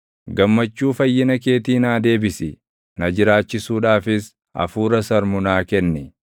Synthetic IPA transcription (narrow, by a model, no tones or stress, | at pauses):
ɡɐmːɐt͡ʃːuːfɐjːɪnɐk̬e̞ːt̪iːnaːd̪e̞ːbɪsɪ | nɐd͡ʒɪɾaːt͡ʃːɪsuːᶑaːfɪs | ɐ̰fuːɾɐsɐɾmʊnaːkɛnːɪ